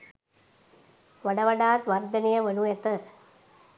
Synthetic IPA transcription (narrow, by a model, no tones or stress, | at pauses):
ʋɐɖɐʋɐɖaːt̪ʋɐrd̪ɐnijɐʋɐnuet̪ə